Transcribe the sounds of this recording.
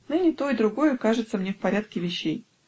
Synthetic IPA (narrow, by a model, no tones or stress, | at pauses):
nɨnʲɪt̪o̞ɪd̪ɾʊɡo̞jʊkaʐɨt̪səmnʲefpɐɾʲat̪̚kʲɪvʲɪɕːej